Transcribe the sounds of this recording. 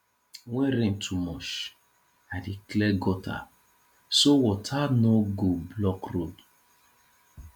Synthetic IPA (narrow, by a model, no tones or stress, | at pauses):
wɛ̃ɾẽntʰumɔʃ | adiklɛɡɔtʰa̰ | sowɔtʰanoɡoblɔkɾod